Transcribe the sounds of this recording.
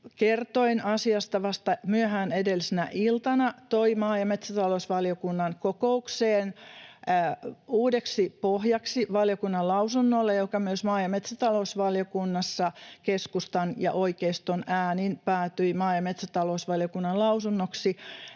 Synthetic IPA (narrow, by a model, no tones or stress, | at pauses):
kert̪oinɑsiɑst̪ɑʋɑst̪ɑmyøhæːnedelːisenæʔilt̪ɑnɑt̪oimɑːjɑmet̪sæt̪ɑlousʋɑljokunːɑnkokoukseːn | uːdeksipohjɑksiʋɑljokunːɑlɑusunːolːejokɑmyøsmɑːjɑmet̪sæt̪ɑlousʋɑljokunːɑsːɑkeskust̪ɑnjɑ̰ʔoikeist̪onæːninpæːt̪yimɑːjɑmet̪sæt̪ɑlousʋɑljokunːɑlɑusunːoksi